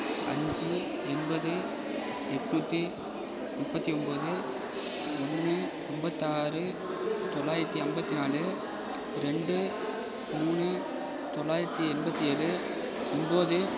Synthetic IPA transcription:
ɐ̰ɲd͡ʒi | ɛnbɐðɯ | ɛʈnuːt̪ːi | mʊpːɐt̪ːiɔmbɐðɯ | ɔnːɯ | ɛmbɐt̪ːaːɾɯ | t̪ɔɭːaːjɪɾɐt̪ːiɐmbɐt̪ːinaːlɯ | ɾɛɳɖɯ | muːɳɯ | t̪ɔɭːaːjɪɾɐt̪ːiɛnbɐt̪ːieːlɯ | ɔmboːðɯ

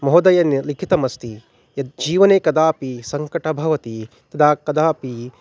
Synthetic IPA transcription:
mɐɦod̪ɐjɐnlikʰit̪ɐmɐst̪i | jɐd͡ʒiːʋɐneːkɐd̪aːpisɐŋkɐʈɐbʱɐʋɐt̪i | t̪ɐd̪ʱaːkɐd̪aːpi

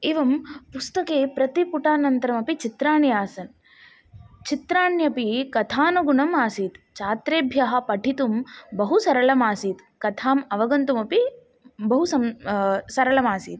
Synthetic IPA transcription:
eːʋɐmpust̪ɐkeːpɾɐt̪ipuʈaːnɐnt̪ɐɾɐmɐpit͡ʃit̪ɾaːɳijaːsɐn | t͡ʃit̪ɾaːɳjɐpikɐt̪ʰaːnɐɡuɳɐmaːsiːt̪t͡ʃaːt̪ɾeːbʱjɐɦɐ̆pɐʈʰit̪umbɐɦusɐɾɐɭɐmaːsiːt̪ | kɐt̪ʰaːmɐʋɐɡɐnt̪umɐpi | bɐɦusɐmsɐɾɐɭɐmaːsiːt̪̚

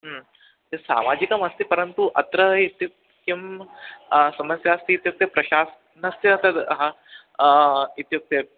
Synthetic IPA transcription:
ɦə | t̪esa̰mad͡ʑikamɐst̪ipəɾənt̪uʔɐt̪ɾəit̪juk | kim | sɐməsjaːst̪iːt̪juk̚t̪jepɾɐɕas | nɐseɐt̪ad̪ɦã | it̪juk̚t̪e

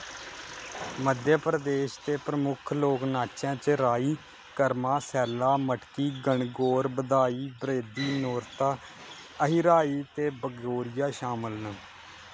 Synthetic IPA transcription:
məd̪ʱjaːpɾəd̪eːʃt̪eːpɾəmʊkʰloːknaːt͡ʃãːt͡ʃɾaːiː | kəɾmaːsɛːlaːməʈkiːɡəɳɡoːɾbəd̪aːiːbɾeːd̪iːnoːɾt̪aː | əɦiɾaːiːt̪eːbəɡoːɾɪjaːʃaːməlnu

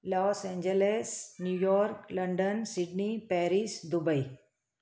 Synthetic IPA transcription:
lɔːsɛ̃ːɲd͡ʒelesnjuːjɔːɾklɐɳɖənsiɖnipɛːɾisd̪ubəj

